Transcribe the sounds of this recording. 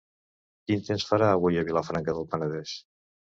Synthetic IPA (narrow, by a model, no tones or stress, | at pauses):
kint̪ensfəɾaːβujəβiləfɾaŋkəðəlˠpənəðɛʃ